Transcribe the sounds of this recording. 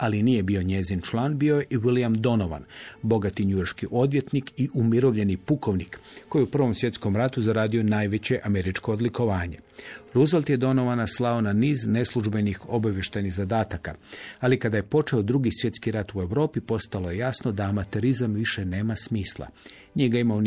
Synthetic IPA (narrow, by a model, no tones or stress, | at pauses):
alinije̞bio̞ɲe̞zint͡ʃlˠaːnbio̞jeʔiʋilijamd̪o̞no̞ʋa̰nbo̞ɡat̪iɲujorʃkiʔo̞d̪ʋje̞t̪nikiʔumiɾo̞ʋʎe̞nipuko̞ʋnikkːo̞jiupr̩ʋo̞msʋje̞t̪sko̞mɾat̪uzaɾaːd̪ionaːjʋe̞t͡ɕe̞ʔame̞ɾit͡ʃko̞ːd̪liko̞ʋaːɲe̞ɾuzolʲt̪jed̪o̞no̞ʋanaslˠao̞naniːzne̞slˠuʒbe̞nixo̞baʋjeʃt̪ajniɣzad̪aːt̪akaalikad̪aje̞po̞t͡ʃeod̪ɾuɡisje̞t̪skiɾat̪ue̞ʋɾo̞ːpipo̞st̪alo̞je̞jasnod̪aːmat̪e̞ɾizamʋiʃe̞ne̞ːmasmiːslˠa̰ | ɲeɡaimao